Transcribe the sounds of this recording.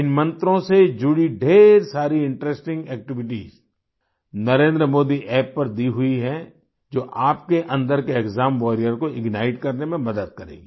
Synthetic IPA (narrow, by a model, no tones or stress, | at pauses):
ɪnmɐ̃nt̪ɾõsed͡ʒʊɽiɖʱeːɾsaːɾiɪ̃ɳʈɾesʈɪ̃ŋɡɛːk̚ʈɪʋɪʈḭːz | nɐɾẽːnd̪ɾəmoːd̪iʔɛːpːɐɾd̪iɦʊiɦɛ̃ | d͡ʒoːʔaːpkeʔɐ̃nd̪əɾkeːkzaːmʋɔːɾijəɾkoɪɡnaːɪʈkɐɾnemẽmɐd̪əd̪̚kɐɾḛːɡiː